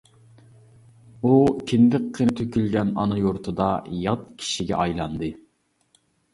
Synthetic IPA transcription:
ukʲʰɪnd̪ɪqʰːənɪt̪ʰøkʲylɡʲɛnɑ̰nɨjoɾt̪ʰɨd̪ɑjɑt̪̚kʲʰi̥ʃiɡʲɛ̰ʔɑjlˠɑnd̪ɨ

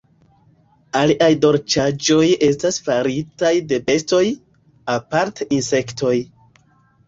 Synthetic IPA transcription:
aliʔajdo̞ɾt͡ʃad͡ʒo̞je̞stasfaɾitajde̞be̞sto̞j | apaɾteinse̞kto̞j

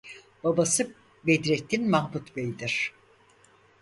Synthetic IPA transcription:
b̥abasɯ | bed̪ɾet̪ʰːinmahbut̪bejd̪iɾ̝̥

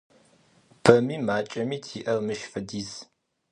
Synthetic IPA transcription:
b̥ɐmiːmaːt͡ʃʼɐmiːtʰiːʔɐrmɨʃfɐdiːz

